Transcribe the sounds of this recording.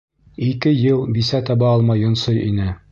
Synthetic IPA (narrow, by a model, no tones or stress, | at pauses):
ikɘjɤlˠbisæt̪ɒbɑɒlˠmɑjŏnsojʔḭnɘ